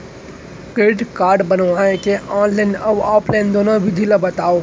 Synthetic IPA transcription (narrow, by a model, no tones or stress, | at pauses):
kɾeːʈkaːɾɖbɐnʋaːẽkeɔ̃ːnlaːɪnɐɔbɔːplaːɪnd̪oːnoʋʱɪd̪ʱiləbɐt̪aːo